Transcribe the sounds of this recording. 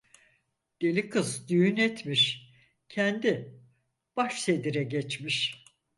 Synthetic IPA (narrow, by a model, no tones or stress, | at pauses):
d̪̥elʲikʰɯzd̪yjynɛt̪miʃ | cʰɛnd̪i | b̥aʃsed̪iɾɛɟɛt͡ʃmiʃ